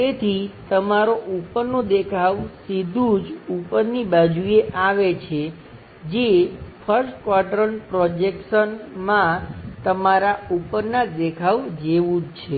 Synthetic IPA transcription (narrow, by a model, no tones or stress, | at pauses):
t̪et̪ʰit̪əmaɾoʔupəɾnod̪ekʰaʋsid̪ʱũd͡ʒupəɾnibad͡ʒujeʔaʋet͡ʃʰe | d͡ʒefʰəɾsʈkʋaɾɖɾənpɾɔd͡ʒekʃənmãt̪əmaɾaupəɾnad̪ekʰaʋd͡ʒeʋũd͡ʒt͡ʃʰe